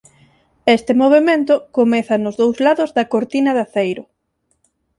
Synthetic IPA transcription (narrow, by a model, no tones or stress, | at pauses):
est̪ɪmoβ̞emẽnt̪ʊkomɛθɐnʊzðowzlaðʊzðɐkoɾt̪inɐðaθejɾʊ